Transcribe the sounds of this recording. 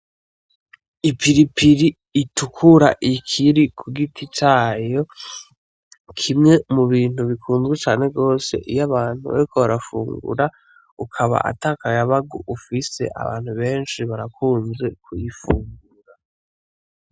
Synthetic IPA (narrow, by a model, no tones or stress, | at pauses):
ipiɾipiɾiː | tukʰuɾaʔikʰiɾikʰuɡitʰit͡ʃaːjo̞ | kʰimŋe̞muβiːn̥huβikʰuːnzɡit͡ʃaːne̞ɡo̞ːse̞̰ʔijaβaːn̥hṵβa̰ɾikʰoβaɾafṵːŋɡṵɾa | ukʰaβa̰ʔa̰taːkajaβaɡuʔufise̞̰ʔa̰βa̰ːn̥huβe̞ːnʃiβaɾakʰuːnze̞kʰujifuːŋɡuɾa